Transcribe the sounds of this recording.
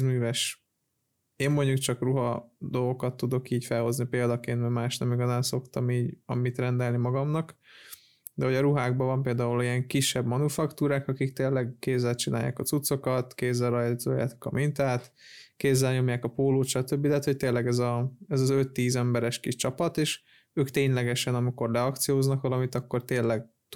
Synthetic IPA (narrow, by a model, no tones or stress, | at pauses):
myːvɛʃ | eːmːo̞ɲɟukt͡ʃɒkruɦɒd̪o̞lɡo̞kɒt̪ːud̪o̞kiːcfɛlho̞znipeːld̪ɒkeːnt̪mɛmaːʃnɛmiɡɒzaːnso̞kt̪ɒmiːɟɒ̰mit̪rɛnd̪ɛlnimɒɡɒmnɒk | d̪ɛho̞ɟɒɾuɦaːɡbɒvɒmpeːld̪aːulijɛŋkiʃːɛbmɒnufɒkt̪uːɾaːkɒkikt̪eːlːɛɡkeːzːɛlt͡ʃinaːja̰ːkɒt̪sut̪so̞kɒt̪keːzːɛlrɒjizo̰ːja̰ːt̪kɒ̰mʔint̪aːt̪ | keːzːɛlɲo̞mjaːkɒpoːloːt̪ʃɒt̪øbːid̪ɛɦːt̪ho̞c̚t̪eːlːɛɡɛzɒɛzɒzø̞t̪ːiːzɛmbɛɾɛʃkiʃt͡ʃɒpɒt̪eːʃ | øːkt̪eːɲlɛɡɛʃɛnɒmiko̞rlɛɒkt̪sijoːznɒkʋɒlɒmit̪ɒkːo̞rt̪eːlːɛɡ | t̪